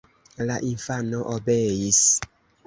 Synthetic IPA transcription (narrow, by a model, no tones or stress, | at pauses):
laʔinfanɔʔobeis